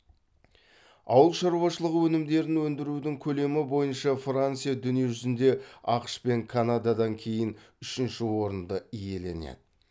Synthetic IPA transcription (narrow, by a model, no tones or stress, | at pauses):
ɑ̰wəlˠʃɑɾuwɑʃəlˠəʁəwɵnɪmd̪e̞ɾɪnwɵnd̪ɪɾud̪ɪŋkʲʰɵle̞mɪbo̞jənʃɑfrant̪sijad̪ʏnije̞ʒʏzɪnd̪e̞ɑqʃpe̞ŋkʰanad̪ɑd̪ɑŋkʲʰe̞jɪn | ʏʃɪnʃɪwo̞ɾənd̪əije̞le̞̰nḛd̪ɪ